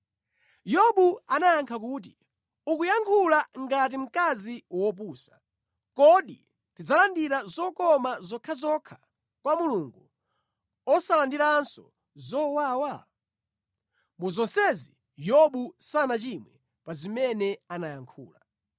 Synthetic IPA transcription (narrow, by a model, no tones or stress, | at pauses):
jɔɓuanajaŋkʰak̬uːt̬i | ukujaŋkʰulaŋɡat̬im̩kaziwɔp̬uːsḁ | kɔɗi | tid͡zalandiɾazɔkɔmazɔkʰazɔkʰḁ | kwamuluŋɡu | ɔsalandiɾansɔ̰ | zɔwaːwa | muzɔnsɛzi | jɔɓusanat͡ʃimwɛ | pazimɛnɛanajaŋkʰṵːla